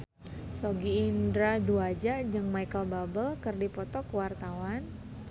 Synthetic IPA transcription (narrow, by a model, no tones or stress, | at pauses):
soɡiːndɾaduad͡ʒad͡ʒəŋmajkəlbabəlkərdipɔt̪ɔkwart̪awan